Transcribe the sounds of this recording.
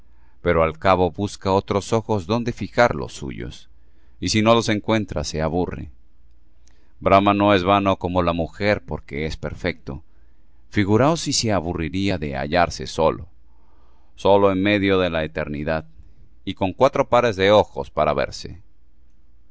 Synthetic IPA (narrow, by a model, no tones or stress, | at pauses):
pe̞ɾo̞alkaβo̞βuskao̞t̪ɾo̞so̞xo̞zðo̞nd̪e̞fixaɾlo̞̰sṵʝo̞̰s | isino̞lo̞se̞ŋkwe̞nt̪ɾa̰se̞aβurḛ | bɾamano̞e̞zβano̞ko̞mo̞lamuxe̞ɾpo̞ɾke̞espe̞ɾfe̞k̚t̪o̞ | fiɣuɾaosiseaβuriɾiaðe̞a̰ʝaɾse̞so̞lo̰ | so̞lo̞enme̞ðjo̞ðe̞laet̪e̞ɾniðað | iko̞ŋkwat̪ɾo̞paɾe̞zðe̞o̞xo̞̰spaɾaβe̞̰ɾse̞̰